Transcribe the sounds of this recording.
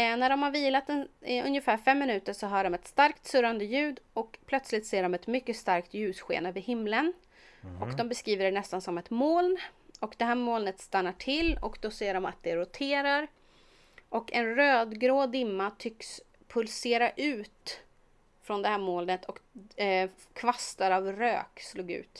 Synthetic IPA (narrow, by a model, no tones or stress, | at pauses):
næɖɔmhaɾviːlat̪ɛnɵ̰njəfæːɾfɛmːɪnʉ̟ːt̪əɾʂɔɦɑːɖɔmɛt̪st̪aɾkt̪sɵɾand̪əjʉ̟ːd̪ɔkpʰlœt̪slɪt̪seːɖɔmɛt̪mʏkːəst̪aɾkt̪jʉ̟ːsɧḛːnəvɪhɪmlən | ɔkd̪ɔmbɛskɾiːvəɖɛnɛst̪ansɔmɛt̪moːlnɔkd̪ɛɦæːɾmoːlnət̪st̪anːaʈʰɪlːɔkd̪ɔseːɖɔma̰t̪̚d̪ɛɾʊt̪ʰeːɾaɾ | ʔɔkɛnɾøːd̪ɡɾoːd̪ɪmːat̪ʰʏks | pʰɵlseːɾaʔʉ̟ːt̪ | fɾɔnd̪ɛhæːɾmoːlnət̪ʰɔk | kʰvast̪aɾavɾø̰ːksluːɡʉ̟̰ːt̪